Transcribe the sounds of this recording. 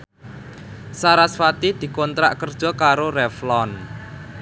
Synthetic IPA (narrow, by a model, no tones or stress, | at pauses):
saɾasfat̪id̪̥i̤kɔnt̪ɾaʔkərd̥ʒ̥ɔ̤kaɾorɛflɔn